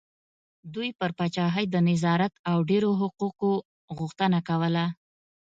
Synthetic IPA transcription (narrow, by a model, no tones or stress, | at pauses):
d̪ujpəɾpɑt͡ʃɑɦəjd̪ənɪzɑɾat̪awɖeɾoɦʊquqo | ɣuxt̪ənakawəla